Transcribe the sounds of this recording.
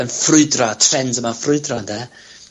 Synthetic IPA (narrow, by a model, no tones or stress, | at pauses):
ənfrʊɨdrɔtʰrɛndəmafrʊɨdrɔndɛ